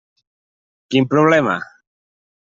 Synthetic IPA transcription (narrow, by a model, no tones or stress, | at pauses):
kimpɾoβlema̰